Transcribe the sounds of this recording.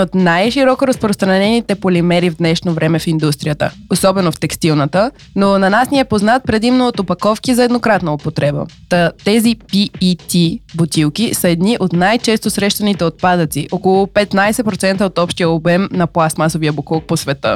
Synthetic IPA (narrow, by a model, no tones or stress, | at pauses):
ot̪najʃiɾɔkoɾəspɾost̪ɾɐnɛnit̪ɛpolimɛɾivd̪nɛʃnovɾɛmɛfind̪ust̪ɾijət̪ə̰osɔbɛnoft̪ɛkst̪ilˠnət̪ə | nonɐnasniɛpoznat̪̚pɾɛd̪imnoot̪opɐkɔfkizɐɛd̪nokɾat̪nɐopot̪ɾɛbə̰t̪ət̪ɛzipiːt̪ibot̪ʲilˠkisəɛd̪niʔot̪najt͡ʃɛst̪osɾɛʃt̪ɐnit̪ɛot̪̚pad̪ət̪siʔokolˠopɛt̪najsɛpɾot̪sɛnt̪əot̪ɔpʃt̪ijəobɛmnɐplˠasmasoviəbʊkˠok̚posvɛt̪ə̰